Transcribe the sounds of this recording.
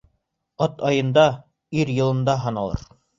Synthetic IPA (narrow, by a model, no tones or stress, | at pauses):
ɑt̪ɑjɤ̆nd̪ɑ | iɾjɤ̆lˠɤ̆nd̪ɑɦɑnɑlˠɤ̰ɾ